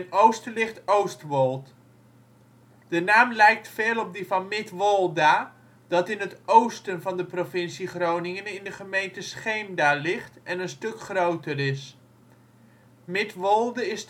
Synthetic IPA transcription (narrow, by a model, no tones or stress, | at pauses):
nowstəlɪχtowstʋɔlˠt | d̥ənaːmlɛjk̚tfeːlˠɔp̚dəvɑnmɪtʋɔlˠda | d̥ɑtɪnətowstənvɑndəprofɪnsiχrownɪŋənɪndəχəmejntəsχejmdalɪχtɛnənstɵkχrowtərɪs | mɪtʋɔlˠdəɪs